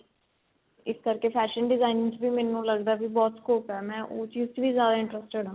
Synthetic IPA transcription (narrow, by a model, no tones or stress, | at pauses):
ɪskəɾkeːpʰɛːʃənɖɪzaːɪnt͡ʃbiːmɛːnũːləɡd̪aːbiːbɔːt̪skoːpɛːmɛ̃ːʔoːt͡ʃɪst͡ʃʋiːzjaːd̪aːɪ̃ɳʈɾəsʈeɖãː